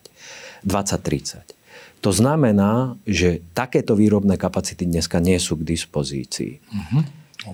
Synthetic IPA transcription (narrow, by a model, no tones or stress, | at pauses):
d̪ʋat͡sac̚t̪ɾit͡sac | t̪ɔznamɛnaːʒɛt̪akɛːt̪ɔʋiːɾɔbnɛːkapat͡sit̪id̪ɲɛskaɲɪɛsuːɡd̪ispɔzḭːt͡sḭː